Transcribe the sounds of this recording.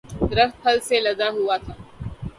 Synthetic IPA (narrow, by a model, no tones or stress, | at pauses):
d̪ɾəft̪̚pʰəlseləɡaɦuat̪ʰa